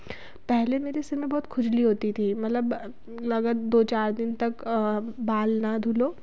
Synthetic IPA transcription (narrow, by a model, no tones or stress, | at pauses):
pɛɦlemeːɾesɪɾmẽbɔːt̪kʰʊd͡ʒliɦoːt̪it̪ʰimɐt̪ləb | lɐɡət̪d̪oːt͡ʃaːɾd̪ɪnt̪ɐkbaːlnad̪ʱuloː